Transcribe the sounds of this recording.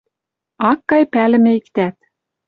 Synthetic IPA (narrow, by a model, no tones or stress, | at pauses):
ɑkːɑjpælɘ̆mɘ̆ikt̪æt̪